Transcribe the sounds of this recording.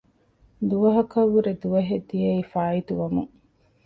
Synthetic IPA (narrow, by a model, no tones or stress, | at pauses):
d̪uʋɐɦɐkɐʋːuɾed̪uʋɐɦed̪ːijɐifaːit̪uʋɐmṵŋ